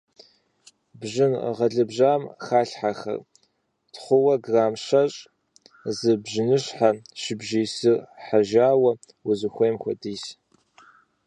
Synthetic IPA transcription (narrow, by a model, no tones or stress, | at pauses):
bʒɪnʁɐɮɨbʒaːmxaːɬħaxɐ̰r | tχʷʊwɐɡraːmʃɐɕʼ | zɨbʒɪnɨɕħaʃɪbʒiːsɨrħaʒaːwɐ | wʊzɨxʷejmxʷɐdiːs